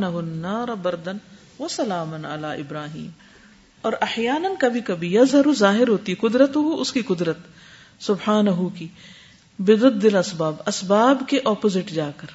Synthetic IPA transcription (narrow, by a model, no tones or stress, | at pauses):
nɐɦʊnːaːɾɐbɐɾd̪ɐn | ʋɐsɐlaːmɐnɐlaːʔɪbɾaːɦḭːm | ɔːɾʔɐħjaːnɐnkɐbʱikɐbʱijɐzɦɐɾuzaːɦɪɾɦoːt̪iɦɛkʊd̪ɾət̪ʊɦuʔʊskikʊd̪ɾət̪ | sʊbħaːnɐɦuki | bɪd̪ʊd̪ːɪlɐsbaːbɐsbaːbkeʔɔːpozɪʈd͡ʒaːkɐɾ